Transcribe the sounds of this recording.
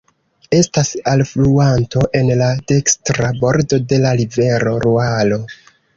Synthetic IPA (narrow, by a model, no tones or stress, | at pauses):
e̞stasalfluanto̞ʔe̞nlade̞kstɾabo̞ɾdo̞de̞laɾive̞ɾo̞ɾualo̞